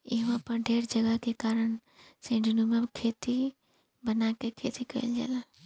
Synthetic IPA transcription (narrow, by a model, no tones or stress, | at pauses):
iɦmãpəɾɖʱeːɾd͡ʒəɡəkekaɾən | sẽɖinumemkʰet̪i | bənakekʰet̪ikəild͡ʒa̰ːla